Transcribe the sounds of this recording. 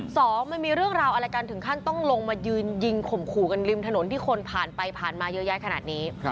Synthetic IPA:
sɔː˩˦ŋma˧nmiː˧ɾɯ˥˩əŋɾaː˧wʔa˧ɾa˧jka˧nt̪ʰɯ˩˦ŋkʰa˥˩nt̪ɔ˥˩ŋlo˧ŋmaː˧jɯː˧nji˧ŋkʰo˨˩mkʰuː˨˩ka˧nli˧mt̪ʰa˧no˩˦nt̪ʰiː˥˩kʰo˧npʰaː˨˩npa˧jpʰaː˨˩nmaː˧jɤ˦˥jaː˦˥˩jkʰa˧naː˨˩t̪̚niː˦˥

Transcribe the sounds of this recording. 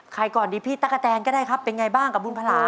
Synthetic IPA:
kʰa˧jkɔː˨˩ndiː˧pʰiː˥˩t̪a˦˧˥k̚a˧t͡ɕɛː˧nkɔ˥˩ɾaː˥˩jkʰa˦˥pːe˧nŋa˧jbaː˥˩ŋka˨˩u˧npʰa˧laː˨˩˦

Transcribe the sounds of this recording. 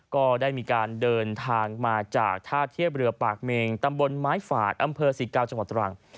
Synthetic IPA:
kɔː˥˩daː˥˩jmiː˧kaː˧ndɤː˧nt̪ʰaː˧ŋmaː˧t͡ɕa̰ː˨˩k̚t̪ʰaː˥˩t̪ʰi˥˩əp̚ɾɯ˧ɐpaː˨˩k̚meː˧ŋt̪a˧mbo˧nmaː˦˥jfa̰ː˨˩t̪̚ʔa˧mpʰɤː˧siː˨˩˦kaː˧wt͡ɕa˧ŋwa˨˩t̪̚ːɾa˧a˨˧˩ŋ

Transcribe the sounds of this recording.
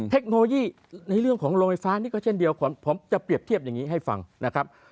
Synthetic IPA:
t̪ʰe˦˥k̚noː˧lo˧jiː˥˩ | na˧jɾɯ˥˩əŋkʰɔː˩˦ŋɾoː˧ŋfa˧˩jfaː˦˥niː˥˩kɔː˥˩t͡ɕʰe˥˩ndi˧əwpʰo˩˦mpʰo˩˦mt͡ɕa˨˩pɾi˨˩əp̚t̪ʰi˥˩əp̚jaː˨˩ŋːiː˦˥ɦa˥˩jfa̰˧ŋna˦˥kʰɾa˦˥p̚

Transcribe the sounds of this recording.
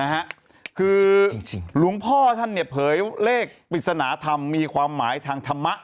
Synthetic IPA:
na˦˥kʰa˦˥ʔ | kʰɯː˧ŋlu˨˩˦ŋpʰɔː˥˩t̪ʰa˥˩nːi˥˩pʰɤː˩˦jleː˥˩k̚pi˨˩t̪̚sa˧naː˩˦t̪ʰa˧mːiː˧kʰwaː˧mːaː˩˦jt̪ʰaː˧ŋt̪ʰa˧mːa˦˥ʔ

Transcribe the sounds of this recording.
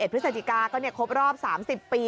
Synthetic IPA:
e˨˩t̚pʰɯ˦˥sa˧t̪ʰi˧˨˩kaː˧kɔː˥˩ni˥˩ɐkʰo˦˥p̚ɾɔː˥˩p̚saː˩˦msi˨˩pːiː˧

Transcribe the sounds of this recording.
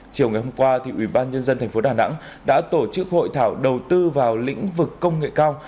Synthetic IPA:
t͡ɕi˨˩əwŋa˨˩jhɦo˧mkwaː˧t̪ʰi˨˩ʔwi˧˩ɓaː˧nɲə˧nzə˧nt̪ʰɛ˨˩ŋ̟fo˨˦ɗaː˨˩na̰˧˥ŋ | ɗa̰ː˧˥t̪o˧˩t͡ɕɨ˦˥k̚ho̰˧˨jt̪ʰaː˧˩wɗə˨˩wt̪ɨ˧vaː˨˩wlḭ̈˧˥ŋ̟vɨ˨˩kːə˧wŋ͡mŋḛ˧˨kaː˧w

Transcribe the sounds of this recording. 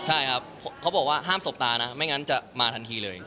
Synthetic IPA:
t͡ɕʰa˥˩jkʰa˦˥pʰːo˨˦a˦˥wbɔː˨˩k̚waː˥˩ɦaː˥˩mso˨˩p̚t̪aː˧na˦˥ma˥˩jŋa˦˥nt͡ɕa˨˩maː˧t̪ʰa˧nt̪ʰiː˧lɤː˧j

